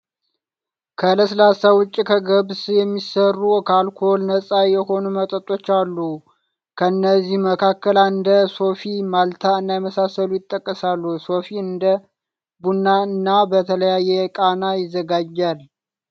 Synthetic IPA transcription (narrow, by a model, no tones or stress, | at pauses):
kʰələslasawʊt͡ʃʼːikʰəɡəβsjɛmːisərːukʰalkʰo̞lnəsʼajɛho̞numət̪ʼət̪ʼːo̞t͡ʃːalːu | kʰəɨnːəzːihməkʰakːəlaɨnd̪əso̞fimalt̪ʰaɨnːajɛməsasəlujɪt̪ʼːəkʼːəsalːuso̞fiɨnd̪ə | bunːaɨnːabət̪ʰələjajːɛkʼanajɪzːəɡad͡ʒːal